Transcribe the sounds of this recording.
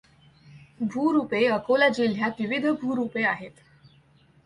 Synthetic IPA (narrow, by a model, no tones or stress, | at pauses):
bʱuːɾupeəkolad͡ʑiljat̪ʋiʋid̪ʱbʱuːɾupeaɦet̪